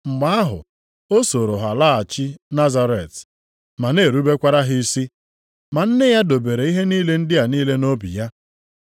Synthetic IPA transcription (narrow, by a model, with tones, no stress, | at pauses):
m̩˨ma˨˦a˦ɦʊ̰˨ | o˦so˨ɾo˨ɦa˨la˦a˨t͡ʃɪ˦na˦za˦ɾe˨t | ma˨ne˦˨ɾu˦be˦kʷa˦ɾa˦ɦɪ˦si˦ | ma˨n̩˦nɪ˦ja˦do˨be˨ɾe˨i˦ɦe˦niː˦le˦n̩˦dɪ˦a˨niː˦le˦no˦bḭ˨ja˦